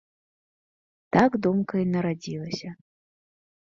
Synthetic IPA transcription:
t̪aɡd̪umkɐinɐɾad͡zʲilˠɐsʲɐ

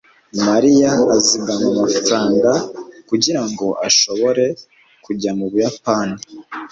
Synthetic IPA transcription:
maɾijaːziɡamamafɾaːŋɡakuɟiɾaŋɡo̞ʔaʃo̞βo̞ɾe̞ | kuɟamuβujapaːni

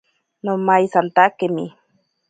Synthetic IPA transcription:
nomajsant̪akemḭ

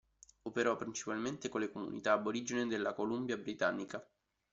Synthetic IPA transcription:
opeɾɔpːɾint͡ʃi̥palment̪ekolːekomṵnḭt̪aːbːoɾid͡ʒined̪elːakolumbjabɾit̪anːika

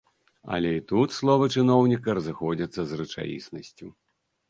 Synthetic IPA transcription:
ɐ̰lʲɛit̪ut̪slˠɔvɐt͡ʂɨnɔwnʲikɐɾɐzɨxɔd͡zʲɐt̪sːɐzrɨt͡ʂa̰jḭsnɐsʲt͡sʲu

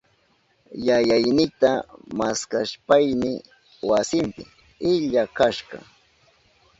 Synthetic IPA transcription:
jajajnɪt̪amaskaʃpajnɪ | wasɪmpɪ | ɪʎakaʃɢɑ̰

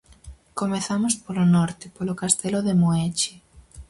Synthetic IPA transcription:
komeθamospolonɔɾt̪epolokast̪eloðemoet͡ʃi

